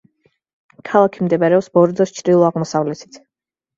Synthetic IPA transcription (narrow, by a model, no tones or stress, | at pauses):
kʰalˠakʰimd̪ɛbaɾɛɔpsbɔɾd̪ɔst͡ʃʰɾilˠɔaʁmɔsavlɛt̪ʰi̥t̪ʰ